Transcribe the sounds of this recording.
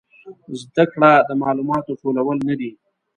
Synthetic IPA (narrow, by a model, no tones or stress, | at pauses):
zd̪akɽad̪əmɑlumɑt̪oʈolawəlnad̪i